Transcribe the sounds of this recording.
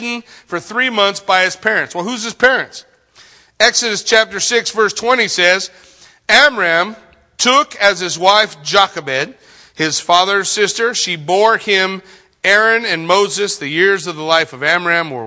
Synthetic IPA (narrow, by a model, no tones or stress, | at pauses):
n̩fə˞θɹimʌ̃nθsb̥aɪɨz̥pʰɛɹɨ̃ntswɛlˠhʉz̥ɨz̥pʰɛɹɨ̃nts | ɛksɨɾɨst͡ʃʰæp̚tə˞sɪksvɜ˞stʰw̥ɛ̃ɾ̃isɛz | æmɹæ̃m | tʰʊkɨz̥ɨzwaɪfd͡ʒ̥ɑkɨbɛd̚ | ɪz̥fɑðə˞sɪstə˞ʃibɔɹɪ̃m | ɛɹɨ̃nɨ̃nmoʊzɨsðɨjɪɹzʌvðəlaɪfʌvæmɹæ̃mwə̰˞